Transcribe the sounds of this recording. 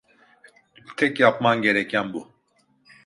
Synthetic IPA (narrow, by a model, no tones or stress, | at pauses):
t̪ʰɛkjapmanɡʲɛɾɛkjanbu